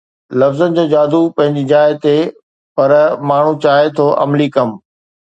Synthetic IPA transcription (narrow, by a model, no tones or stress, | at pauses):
lɐfzənɪ̆d͡ʑoːd͡ʑaːd̪ʱupɐ̃ɦɪ̃ɲd͡ʑid͡ʑaːɪt̪e | pɐɾmaːɳ̤ũt͡ɕaːet̪ʰoʔɐ̰mlikɐm